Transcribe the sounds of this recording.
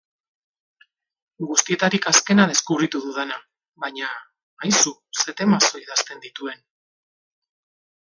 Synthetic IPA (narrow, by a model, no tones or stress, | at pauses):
ɡust̪ie̞t̪aɾikaske̞nað̞e̞skuβɾit̪uðuðena | βajɲaː | jsuse̞t̪e̞maso̞iðast̪e̞nd̪it̪ue̞n